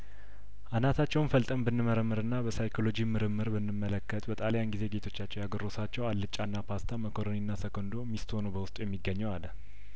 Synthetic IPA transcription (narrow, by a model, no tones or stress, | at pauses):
ʔanat̪ʰat͡ʃːɛwnfəlt̪ʼəmbɨnːɨməɾəmːɨɾɨnːabəsajkʰo̞lo̞d͡ʒimɨɾɨmːɨɾbɨnːɨmːələkːət̪ʼbət̪ʼalejanɡize̞ɡe̞t̪ʰo̞t͡ʃːat͡ʃːɛwjaɡərːo̞sat͡ʃːɛwallːɨt͡ʃʼːanːapʰast̪ʰaməkʰoɾoninːasəkʰond̪o̞mist̪o̞nəbəwʊst̪ʼujɛmːiɡəɲːɛwalːə